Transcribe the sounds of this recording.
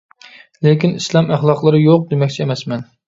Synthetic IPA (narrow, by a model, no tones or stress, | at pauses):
lekʲinislˠɑmæχlˠɑqlˠəɾɨjoq̚d̪emɛkʲt͡ʃʰɛɛmɛsmɛn